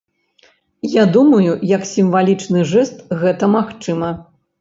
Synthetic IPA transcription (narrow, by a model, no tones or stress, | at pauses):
jad̪umɐjujɐksʲimvalʲit͡ʂnɨʐɛst̪ɣɛt̪ɐmaxt͡ʂɨmɐ